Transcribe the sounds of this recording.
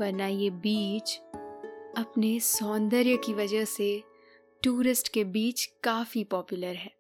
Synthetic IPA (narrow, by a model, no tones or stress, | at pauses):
bɐɾnajebiːt͡ʃ | ɐpnesɔːnd̪əɾjəkiʋɐd͡ʒəɦse | ʈuːɾɪsʈkebiːt͡ʃkaːfipɔːpjʊləɾɦɛː